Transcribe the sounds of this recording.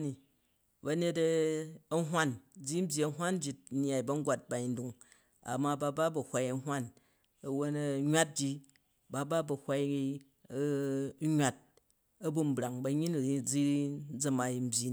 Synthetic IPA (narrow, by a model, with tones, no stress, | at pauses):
ni˨ | bɐ˨˧ne˧t̬ɐ˦ɐ˦ɦʷa˦nd͡zi˦m̩˦bʲji˨ɐ˨˧ɦʷa˦nd͡ʒi˨tn˦a˨i˨bɐ˦ŋ˦ɡʷa˨t̚ba˨i˨ndu˨ŋ | a̰˨mːa˦ba˦˧ba˦bɐ˨hʷa˧jɐ˧ɦwa˦˨n | ɐ˨wo˦nɐ˨ɲwa˦t̚d͡ʒi˧ | ba˦ba˦bɐ˨hʷa˧i˦ | ɲwa˨t̚ | ɐ˦bu˦m̩˦bɾa˨ŋbɐ˧ɲi˦n˨˦d͡zi˦d͡zɐ˨ma˨i˨m̩˦bʲi˨